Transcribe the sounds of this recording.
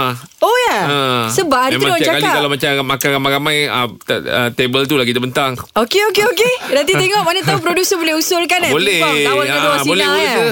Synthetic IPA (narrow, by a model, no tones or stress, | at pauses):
ojaəsəbadimemãad͡ʒakalikalamat͡ʃamamakaɾamaɾamãjət̪ə̰t̪ebəlt̪̬ulahkit̪̬əbənt̪aŋokeokeokedat̪it̪eŋɔʔmanat̪aupɾodusəbolɛhusʊlkanabolɛtawaakaawabolɛa